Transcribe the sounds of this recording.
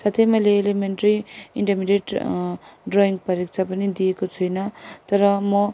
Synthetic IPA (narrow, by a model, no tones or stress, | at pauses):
sat̪ʰʌjmʌjleːlemeɳʈʌɾiiɳʈʌmiɖeʈ | ɖroiŋɡpʌɾik̚t͡sʰapʌnid̪ijekot͡sʰujnʌt̪ʌɾʌmʌ